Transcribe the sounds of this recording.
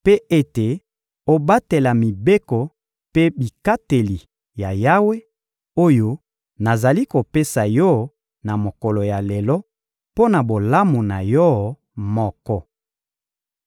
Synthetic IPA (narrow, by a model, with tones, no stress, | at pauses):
pe˦e˦te˨ | o˨ba˦te˨la˨mi˨be˦kɔ˨ | pe˦bi˨ka˦te˨li˨ | ja˨ja˦we˦ | o˦jo˦ | na˨za˨li˦ko˨pe˦sa˨jɔ˦ | na˨mo˨kɔ˨lo˨ja˨le˨lɔ˦ | po˦na˨bo˨la˦mu˨na˨jɔ˦ | mɔ˦kɔ˦